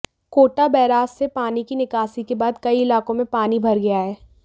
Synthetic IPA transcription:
koːʈabɛːɾaːsːepaːnikinɪkaːsikebaːd̪kɐiɪlaːkõmẽpaːnibʱɐɾɡɐjaɦɛː

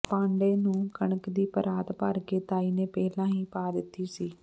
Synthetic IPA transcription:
pãːɳɖeːnũːkəɳəkd̪iːpəɾaːt̪paɾkeːt̪aːiːneːpɛːlãːĩːpaːd̪ɪt̪ːiːsiː

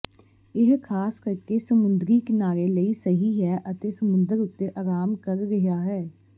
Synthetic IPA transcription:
ɪɦkʰaːskəɾkeːsəmʊnd̪ɾiːkɪnaːɾeːləiːsəɦiːɦɛːʔət̪eːsəmʊ̃nd̪əɾʊt̪ːeːʔaːɾaːmkəɾːɪɦaːɦɛː

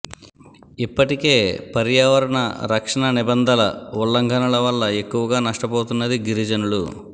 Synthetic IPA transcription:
ipːɐʈike̞ːpɐɾjaːʋɐɾɐɳɐ̰ɾɐkʂɐɳɐnibɐnd̪ʱɐlɐulːɐŋɡʱɐnɐlɐʋɐlːɐe̞kːuʋɐɡaːnɐʂʈɐpoːt̪unːɐd̪iɡiɾid͡ʒɐnulu

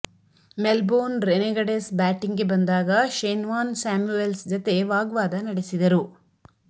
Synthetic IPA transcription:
melboːnɾeneɡɐɽesbaːʈiŋɡebɐnd̪aːɡɐʃeːnʋaːnsaːmjuelsd͡ʒɐt̪e̞ʋaːɡʋaːd̪ɐnɐɽesid̪ɐɾu

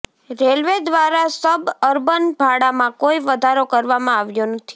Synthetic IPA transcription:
ɾelʋed̪ʋaɾasəbəɾbənbʱaɽamãkoiʋəd̪ʱaɾokəɾʋamãaʋjonət̪ʰi̥

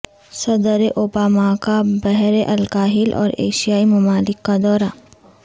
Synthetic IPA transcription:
sɐd̪əɾeʔoːbaːmakabɛɦɾeʔɐlkaːɦɪlʔɔ̰ːɾḛːʃijaːimɐmaːlɪkːad̪ɔːɾa

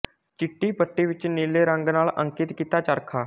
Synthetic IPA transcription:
t͡ʃɪʈːiːpəʈːeːʋɪt͡ʃneːleːɾə̃ŋɡnaːlʔə̰̃ŋkɪt̪kiːt̪aːt͡ʃəɾkʰaː

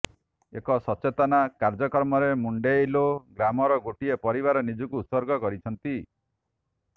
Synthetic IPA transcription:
ekɔsɔt͡ʃet̪ɔnakaɾd͡ʒɔkɔɾmɔɾemuɳɖejloɡɾamɔɾɔɡoʈiepɔɾiβaɾɔnid͡ʒɔkuːt̪sɔɾɡɔkɔɾit͡ʃʰɔnt̪i

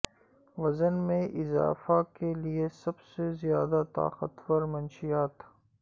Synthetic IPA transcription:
ʋɐzənmẽʔɪza̰ːfakeliesɐbsezijaːd̪at̪a̰ːqə̰t̪wɐɾmɐnʃijaːt̪

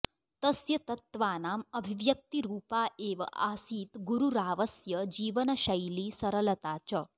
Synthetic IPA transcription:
t̪ɐsjɐt̪ɐt̪ʋaːnaːmɐbʱiʋjɐk̚t̪iɾuːpaːʔeːʋɐ̰ʔaːsiːt̪ɡuɾuɾaːʋɐsjɐd͡ʒiːʋɐnɐʃɐjliːsɐɾɐlɐt̪aːt͡ʃɐ

